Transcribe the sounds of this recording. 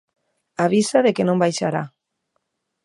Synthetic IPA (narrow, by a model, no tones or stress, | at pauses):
aβ̞isaðekenõmbajʃaɾa